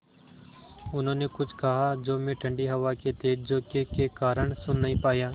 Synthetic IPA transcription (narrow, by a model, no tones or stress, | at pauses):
ʊnɦõːneːkʊt͡ʃʰkəɦaːd͡ʒoːmẽːʈʰə̃ɳɖiːɦəʋaːket̪eːd͡ʒd͡ʒoːkekekaːɾəɳsʊnːəɦĩːpaːjaː